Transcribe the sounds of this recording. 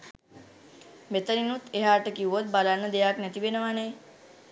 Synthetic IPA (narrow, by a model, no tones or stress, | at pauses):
met̪əninut̪eɦaɾʈəkiuot̪̚balanːəd̪ejaknɛt̪iʋenəʋanɛj